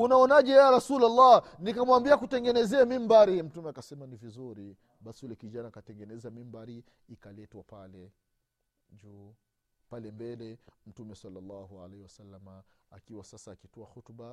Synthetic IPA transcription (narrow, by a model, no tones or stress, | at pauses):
unaɔnaʄɛjɛjaɾasulalːanikamwambiakutɛŋɡɛnɛzɛamimbaɾim̩tumɛakasɛmanivizuɾi | ɓasiulɛkiʄanaːkatɛŋɡɛnɛzamimbaɾiː | kalɛtwapalɛ | d͡ʒu | palɛmbɛlɛm̩tumɛsalːalːahua̰lahiwasalːamaakiwasasaːkitɔahɔtuɓa